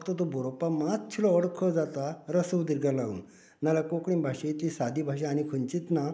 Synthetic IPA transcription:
kt̪ət̪obʱoɾopamat̪̚t͡ɕʰilɔəɽkʰəd͡zat̪aɾəsəwd̪iɾɡalaṵn | nalakokɽĩbʱaɕet̪isad̪ibʱaɕ̬ãːñikʰuɲt͡ɕit̪na

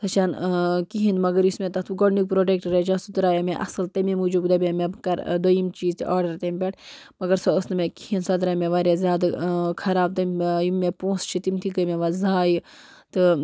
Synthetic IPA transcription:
t̪ʰɐt͡ʃʰaːnkiɦĩnd̪mɐɡɐɾjusmẽt̪ɐt̪ʰuɡonik̚pɾoːʈek̚ʈɾet͡ʃasud̪ɾaːjameʔɐ̰sɨlt̪ɐmimud͡ʒukd̪ɐbemekɐɾd̪ojimt͡ʃiːzt̪iʔaːɾɖɐɾt̪emʲpʲeʈ | mɐɡɐɾsɐəsnɨmekihĩnd̪sɐd̪ɾameʋaːɾjazʲjaːd̪kʰɐɾaːb̚t̪ɐmjumːepõːst͡ʃʰit̪imt̪ʰikəmeʋazaːj | t̪ɨ

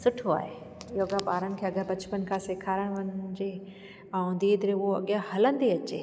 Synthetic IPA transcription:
sʊʈʰoa̰ːɦe | joːɡãpaːɾənɪ̆kʰeːɐɡəɾbɐt͡ɕpənkʰãseːkʰaːɾəɽ̃ʋɐ̃ɲd͡ʑe | ãõnd̪iːd̪ɪɾeʊoɐ̰ɠijãhɐlə̃nd̪eɐt͡ɕḛː

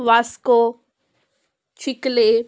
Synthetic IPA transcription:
ʋasko | t͡ʃʰɪkle

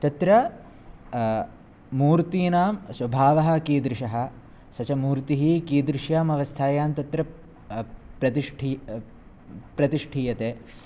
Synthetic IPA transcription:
t̪ɐt̪ɾɐ | muːɾt̪iːnaːmswɐbʱaːʋɐɦɐ̆kiːd̪ɾɪʂɐɦɐ̆ | sɐt͡ʃɐmuːɾt̪iɦikiːd̪ɾɪʃjaːmɐʋɐst̪ʰaːjaːmt̪ɐt̪ɾɐ | pɾɐt̪iʂʈʰi | pɾɐt̪iʂʈʰiːjɐt̪eː

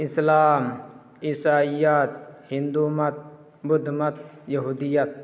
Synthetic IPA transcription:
ɪslaːm | isaːijɐt̪̚hind̪uːmɐt̪̚ | bʊd̪ʱmɐt̪jɐɦud̪ijɐt̪̚

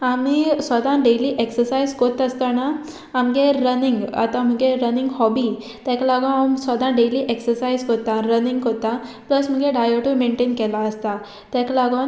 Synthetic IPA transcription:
amisʋəd̪ãɖeliːʔeksəɾsaizkot̪əst̪anaː | mɡeɾəniŋɡa̰t̪am̤əɡeɾəniŋɡhɔbi | t̪aklaɡõamsʋəd̪ãɖeliːʔeksəɾsajzkot̪aɾəniŋɡkot̪apləsm̤əɡeɖajoʈumeɳʈenkɛlaəst̪a | t̪jaklaɡon

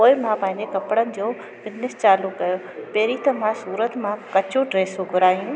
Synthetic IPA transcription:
poːɪmãpɐ̃ːɪ̃ɲd͡ʑekɐpɽənɪ̆d͡ʑoː | bɪznɪst͡ɕaːlukːɐjo | peːɾit̪ɐm̤ãsuːɾət̪mãkɐt͡ɕoɖɾeːsoɡʱʊɾaːijũː

